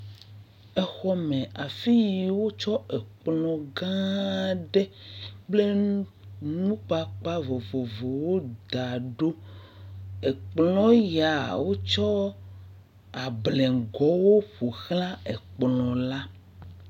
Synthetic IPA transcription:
e˨xɔ˦mẽ˨a˨fi˦ji˨wo˦t͡ʃɔ˦e˨k͡plɔ̃˨ɡã˦ɖe˦k͡ple˦ | nũ˦k͡pa˨k͡pa˦vo˨vo˨vo˨wo˦d̪a˨ɖo˦ | e˨k͡plɔ̃˦ja˨wo˦t͡ʃɔ˦ | a˨blɛ̃˨ŋ˨ɡɔ˨˦wo˦ɸo˨xlã˦e˨k͡plɔ̃˨la˦

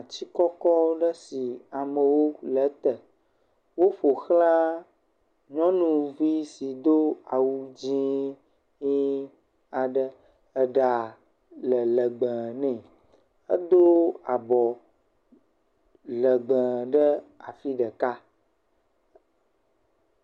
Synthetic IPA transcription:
a˨t͡ɕi˦kɔ˦kɔ˦ɖə˦si˨a˨mə̃˨wo˦lə˨˦t̪ə˨ | wo˦ɸo˨xlã˦ | ɲɔ̃˦nũ˨vi˦si˨d̪o˦a˨wu˦d͡ʑĩ˦ | ɲi˦ | a˨ɖə˦ | ə˦ɖa˨ | lə˨lə˨ɡ͡bə̃˨nɛ̃˨ | ə˦d̪o˦a˨bɔ˨ | lə˨ɡ͡bə̃˨ɖə˦a̰˨fi˦ɖə˨ka˦

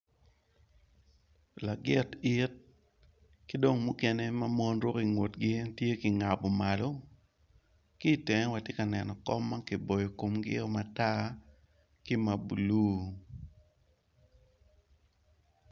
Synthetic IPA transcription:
la˨ɡɪ˦tɪ˦t̚ | kɪ˦do˦ŋmu˦kɛ˦ne˦ma˦mɔ˦nɾo˦ki˨ŋwo˨tɡɪ˦tje˦kɪ˨ŋa˨bɔ˨ma˨lɔ˦ | ki˦˨tɛ˨ŋɛ˦wa˨tje˦ka˨nɛ˨nɔ˨kɔ˦mːa˦kɪ˨bo˨jo˨ko˨mɡɪ̰˦ɔ˦ma˨ta˦ | kɪ˦ma˨bṵ˨lu˦

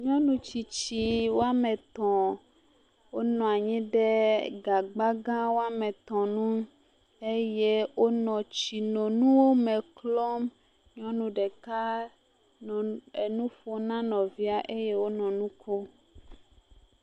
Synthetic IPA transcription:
ɲɔ̃˦nũ˨t͡ʃi˨t͡ɕi˨wo˦a˦mɛ˨t̪ɔ̃˨ | wo˦nɔ̃˨a˨ɲĩ˦ɖɛ˦ɡa˨ɡ͡ba˦ɡã˦wo˦a˦mɛ˨t̪ɔ̃˨nũ˦ | e˦je˦wo˦nɔ̃˨t͡ɕi˨nɔ̃˨nũ˦wo˦mɛ˨klɔ˦m | ɲɔ̃˦nũ˨ɖɛ˨ka˦ | n˨e˨nũ˦fo˦nã˦nɔ̃˨vi˦a˨ʔe˦je˦wo˦nɔ̃˨nũ˦ko˦

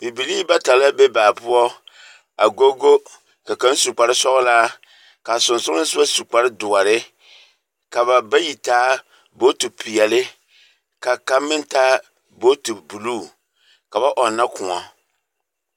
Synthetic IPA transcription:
pi˨bi˨liː˦ba˦ta˨la˦be˦baː˨pʊ˦ɔ˦ | a˨ɡo˦ɡo˦ | ka˨ka˦n˦su˨k͡pa˨ɾɪ˦sɔ˦ɣʊ˦laː˦ | ka˨sʊ˨nsʊ˦nɨ˦sɨ˦a˦su˨k͡pa˨ɾɪ˦dʊ˨a˨ɾɪ˦ | ka˨ba˨ba˦ji˨taː˦ | bo˦tu˨pi˨jɛ˨lɪ˦ | ka˨ka˦mːɪ˦ntaː˦ | bo˦tu˨bu˨luː˦˨ | ka˨ba˦ʔɔ˨nːa˦kʊ˨ŋɔ˨

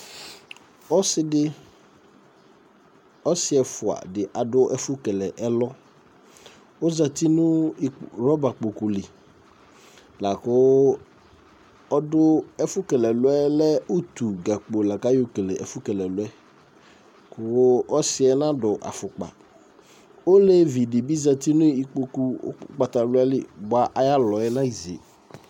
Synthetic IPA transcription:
ɔ˦sɪ˦dɪ˦ | ɔ˦sɪ˦ɛ˨fʊ˨a̰˨dɪ˨ʔa˨dʊ˦ʔɛ˦fʊ˦kɛ˨lɛ˨ʔɛ˦lɔ˦ | o˦za˨t̪i˦nʊ̃˦˨ɾɔ˦ba˨k͡po˨ku˨li˨ | la˨kʊ˦ | ɔ˦dʊ˦ɛ˦fʊ˦kɛ˨lɛ˨lʊ˦ɛ˦lɛ˦o˦t̪u˨ɡa˨k͡po˨la˨ka˦jo˨ke˨le˨ʔɛ˨fʊ˦kɛ˨lɛ˨lʊ˦ɛ˦ | kʊ˨˦ɔ˦sɪ˦ɛ˦nã˦dʊ˨ʔa̰˨fʊ˨k͡pa̰˨ | o˦le˦vi˨dɪ˨bi˦za˨t̪i˦nʊ̃˦i˨k͡po˨kṵ˨˦k͡pa˨t̪a˨lʊ˦ɛ˦lɪ˨bʊ˨a˨ʔa˨ja˦lɔ˨ɛ˦nã˦i˨zḛ˨

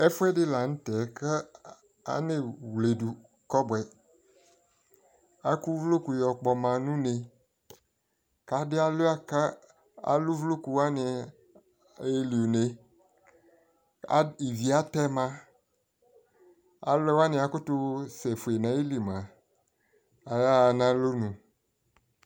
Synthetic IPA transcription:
ɛ˦fʊ˦ɛ˦dɪ˦la˨ŋ̩̃˦t̪ɛ˨˦ke˦ | a̰˨ne˦˨wle˨du˨ | kɔ˦bwɛ˨ | a˦ku˦vlo˦ku˨jɔ˨k͡pɔ˨mã˨nũ˦ne˨ | ka˨dɪ˦a˦lo˦a˦ka˦ | a̰˨lu˦vlo˦ku˨wa˦ne˨ | e˦li˨o˨ne˨ | i˨vi˨a˦tɛ˦mã˦ | a̰˦lɛ˦wa˦nɪ̃˨a˨kʊ˦tʊ˦sɛ˨fu˨e˨nã˨˦ji˦li˨mã˨ | a˨ja˦˨nã˦lo˦nũ˨

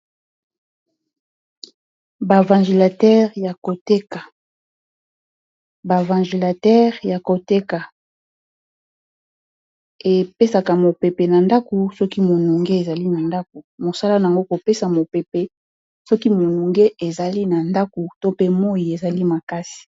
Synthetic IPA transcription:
ba˨vã˨ʒi˨la˨tɛ˦ʁja˨ko˨te˦ka˨ | ba˨vã˨ʒi˨la˨tɛ˦ʁja˨ko˨te˦ka˨ | e˨pe˦sa˨ka˨mo˨pe˨pe˨na˨nda˦ko˨sɔ˦ki˦mo˨nu˨ŋɡe˦e˨za˨li˦na˨nda˦k̚o˨mo˨sa˦la˦na˨a˨ŋɡo˦ko˨pe˦sa˨mo˨pe˨pe˨ | sɔ˦ki˦mo˨nu˨ŋɡe˦ʔe˨za˨li˦na˨nda˦ko˨to˦pe˦mo˦i˨e˨za˨li˦ma˨ka˦si̥˨

